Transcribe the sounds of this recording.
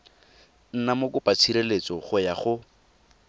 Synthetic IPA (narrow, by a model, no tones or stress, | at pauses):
n̩namokʊpat͡sʰiɾelet͡sɔχʊjaχʊ